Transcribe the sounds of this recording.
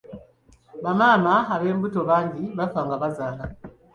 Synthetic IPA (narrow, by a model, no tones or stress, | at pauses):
βamaːnaaβe̞ːmbutoβaːɲɟiβafaːŋɡaβazaːla